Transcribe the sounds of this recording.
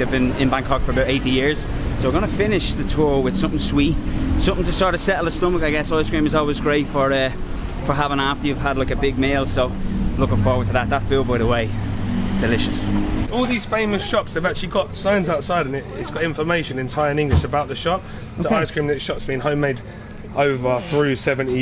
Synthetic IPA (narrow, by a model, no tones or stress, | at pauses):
əvbɪ̃nɪ̃nbãŋkʰɑkfə˞əbaʊɾeɪɾijɪɹz̥ | soʊwəɡʌñəfɪnɪʃðətʰɔːɹwɪð̥sʊ̃mθɪ̃ŋswisʊ̃mθɪ̃ŋtʰəstɑːɹɾə̥sɛʔl̩ˠəstʊ̃məkaɪɡɛsaɪskɹĩmɪzɔːlˠwɪzɡɹeɪtfə˞ʌ | fə˞ɦavɪ̃ŋaftə˞jʉv̥ədlaɪkəbɪɡ̚meɪlˠsoʊlʊkɪ̃ŋfɔːwəd̚tʰəðət̪̚ðətfilˠboɪɾəweɪd̥ɪlɪʃəsɔːlˠðiz̥fẽɪ̃məsʃɒpsðeɪvak̚t͡ʃəliɡɒtsãɪə̃nzaʊtsaɪɾə̃nɪɪtsɡ̥ɒɾɪ̃ɱfəmeɪʃə̃nɪ̃ntʰaɪə˞nɪ̃ŋɡlɪʃəbaʊʔ̪̚ðəʃɒp̚ | ðoʊaɪskɹĩmnəʃɒpsb̥ĩɪ̃ŋhə̃ʊ̃meɪd | ʔəʊvəθɹʉːsɛvə̃nti